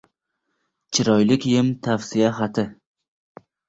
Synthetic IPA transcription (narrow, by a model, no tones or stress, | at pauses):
t͡ʃʰɪɾɒjlɪkʲjɪmt̪ʰafsijaɦat̪ʰɪ